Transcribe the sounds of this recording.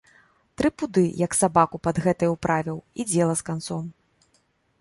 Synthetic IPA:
t̪ɾɨpud̪ɨjɐksabakupɐd̪ɣɛt̪ɐjwpɾʔavʲiwid͡zʲɛlˠɐskant̪sɔm

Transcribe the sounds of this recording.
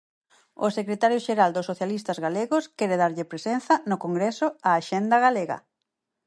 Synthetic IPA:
ʊsekɾet̪aɾjʊʃeɾald̪ʊsːoθjalist̪ɐzɣaleɣʊskɛɾeðaɾʎɪpɾesen̟θɐnʊkoŋɡɾesʊaːʃend̪ɐɣaleɣɐ̰

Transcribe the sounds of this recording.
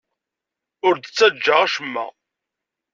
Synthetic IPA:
ʊɾd̪ət͡sːæd͡ʒːəʁæʃəmːæ̰

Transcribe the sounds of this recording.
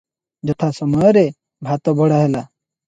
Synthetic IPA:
d͡ʒɔt̪ʰasɔmɔjɔɾe | bʱat̪ɔbʱɔɽaɦela

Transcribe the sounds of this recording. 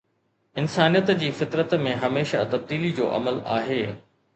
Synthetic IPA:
ɪnsaːnijət̪d͡ʑiːfɪt̪ɾət̪mẽɦɐmeːʃa̰t̪ɐb̚d̪iːlid͡ʑo̰ːʔɐ̰məla̰ːɦeː

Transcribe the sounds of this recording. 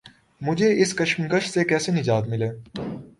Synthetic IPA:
mʊd͡ʒʱeɪskɐʃmkəʃsekɛːsenɪd͡ʒaːt̪mɪleː

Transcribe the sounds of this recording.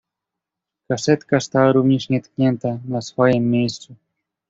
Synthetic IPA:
kasɛt̪kast̪awaɾuvɲɛʂɲɛt̪kɲɛnt̪anasfɔjɛmːʲejst̪su

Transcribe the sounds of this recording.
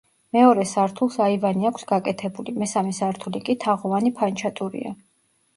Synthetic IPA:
mɛɔɾɛsaɾt̪ʰulˠsaivaniakʷʰsɡakʼɛt̪ʰɛbulimɛsamɛsaɾt̪ʰulikʼit̪ʰaʁɔvanipʰant͡ʃʰat̪ʼuɾḭa̰

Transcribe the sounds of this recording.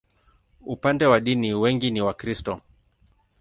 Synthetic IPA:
upandɛwaɗiniwɛŋɡiniwakɾistɔ

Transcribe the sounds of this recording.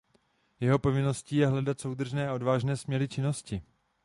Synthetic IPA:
jɛɦo̞po̞vɪno̞sciːjɛɦlɛdat̪so̞wd̪r̩ʒnɛːʔo̞dvaːʒnɛːsmɲɛɾɪt͡ʃɪno̞scɪ

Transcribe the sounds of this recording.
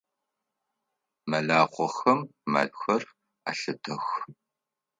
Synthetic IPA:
mɐɮaːqʷɔxɐmːa̰ɮxʷɐr | a̰ɬɨtʰɐx

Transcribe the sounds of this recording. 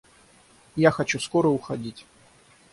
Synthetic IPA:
jaxɐt͡ɕuskoɾəʊxɐdʲitʲ

